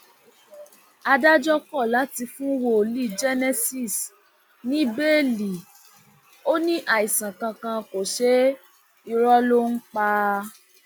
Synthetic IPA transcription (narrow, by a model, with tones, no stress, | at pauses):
a˧da˦d͡ʒɔ˦kɔ˦˨la˨˦ti˧fũ˦wo˦o˨li˦˨d͡ʒɛ˦nɛ˦si˦˨s | nĩ˦be˦li˨ | o˦nĩ˦ʔa˦˨i˨sã˨kã˧kã˧ko˨ʃe˨˦ | i˦˧ɾɔ˦lo˦ŋ̩˦k͡pa˧